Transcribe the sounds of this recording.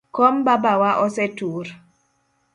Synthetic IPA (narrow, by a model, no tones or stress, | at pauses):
kɔmbabawaʔɔsɛtuɾ